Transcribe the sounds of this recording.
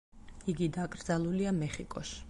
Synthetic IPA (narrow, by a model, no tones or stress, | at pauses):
iɡid̪akʼɾd̪zalˠuliamɛχikʼɔ̰ʃi̥